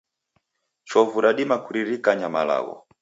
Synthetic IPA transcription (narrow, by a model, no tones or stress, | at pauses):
t͡ʃɔvuɾaɗimakuɾiɾikaɲamala̰ɣɔ̰